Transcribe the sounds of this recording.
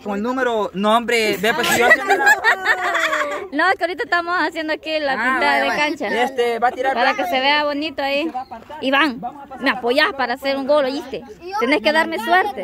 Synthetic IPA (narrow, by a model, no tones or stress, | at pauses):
koŋelnumeɾonombɾebepesijo | nokeoɾit̪aest̪amosasjend̪oakilapint̪aððekant͡ʃaest̪ebat̪iɾaɾpaɾakeseβeaβonit̪oaiiβaŋ | meapojahpaɾaseɾuŋɡolajist̪et̪eneskeðaɾmesweɾt̪e